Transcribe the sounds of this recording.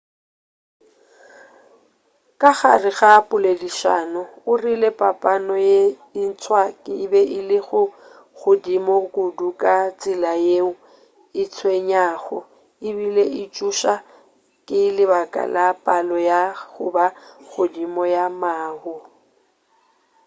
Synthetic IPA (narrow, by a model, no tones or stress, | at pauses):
kʼaɣa̰rɪɣapʼʊlediʃa̰nɔʊrilepʼapʼanɔje | ɪn̩t͡sʰʼwakʼɪbɛʔɪlɪɣʊ | ɣʊdimɔkudukʼat͡sʼɪlajeŋʊ | ɪt͡sʰweɲaːɣɔ | ɪbileʔɪt͡ʃʼuʃa | kʼɪlɪbakʼa̰lʔapʼalɔjaɣʊbaɣʊdimɔjamaːhʊ